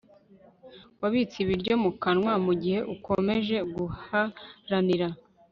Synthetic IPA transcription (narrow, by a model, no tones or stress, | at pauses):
waβit͡siβiɾɟo̞mukanŋwamuɟihe̞ʔuko̞me̞ʒe̞ɡuhaɾaniɾa